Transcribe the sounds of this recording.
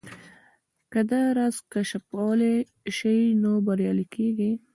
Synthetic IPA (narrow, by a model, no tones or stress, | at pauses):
kəd̪aɾazkaʃapwɑle | ʃəjnobaɾjɑlikʰeɡi